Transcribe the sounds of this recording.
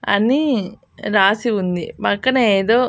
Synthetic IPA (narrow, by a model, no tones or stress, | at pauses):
ɐ̰ni | ɾaːsiund̪ḭbɐkːɐnɐeːd̪o̞ː